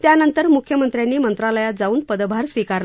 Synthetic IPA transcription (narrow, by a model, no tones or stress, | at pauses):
t̪janənt̪əɾmukʰjəmənt̪ɾjanːiːmənt̪ɾaləjad͡zauːnpəd̪əbʱaɾsʋikaɾl